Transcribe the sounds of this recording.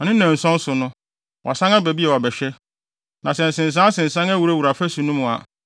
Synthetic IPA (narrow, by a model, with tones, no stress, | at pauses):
ɔ˨nɪ̃˦ɛ̃˨n̩˨sɔ̃˦n̩˦sʊ˨nʊ̃˦ | wʔɔ̰˨sã˦ŋa˦bæ˨bi˦ɛ˨ɔ˨bɛ˨ɕᶣɛ˦ | nã˨sɛ˨n̩˨sɪ̃˨n̩˨s̬ãː˦sɪ̃˨n̩˨sã˦ŋæ˦wu˨ɾa˦wu˨ɾa˨fæ˦su˨nũ˦mʊ̃˨a̰˨